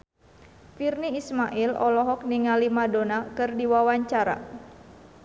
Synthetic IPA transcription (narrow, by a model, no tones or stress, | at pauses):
firniːsmaʔilɔ̰lɔɦɔk̚niŋalimadonakɨrdiwawaɲt͡ʃaɾa̰